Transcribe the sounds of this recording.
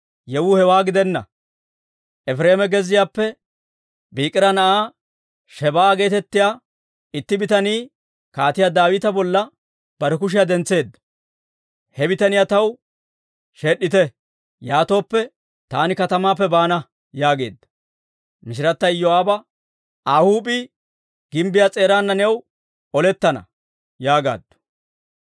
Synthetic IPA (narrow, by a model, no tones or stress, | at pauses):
jɛwʊhɛwaːɡɪd̪ɛnːɐ̰ | ʔɛfɾeːmɛɡɛzɪjaːpːɛ | biːkʼɪɾɐnɐʔaː | ʃɛbaːɡe̞ːt̪ɛt̪ːɪjaː | ɪt̪ːɪbɪt̪ɐniː | kaːt̪ɪjaːd̪aːwɪt̪ɐbɔlːɐ | b̥ɐɾɛkʊʃ̬ɪjad̪ɛnt͡sːe̞ːd̪ːɐ̥ | hɛbɪt̪ɐnɪjat̪ɐw | ʃeːɗːɪt̪ɛ | jaːt̪o̞ːpːɛ | t̪aːnɪkɐt̪ɐmaːp̬ːɛbaːnɐ | jaːɡe̞̰ːd̪ːɐ̥ | mɪʃ̬ɪɾɐt̪ːɐjjoaːbɐ | aːhuːpi | ɡ̥ɪmbɪjaːt͡sʼe̞ːɾaːnːɐnɛw | ɔlɛt̪ːɐnɐ̰ | jaːɡa̰ːd̪ːʊ̥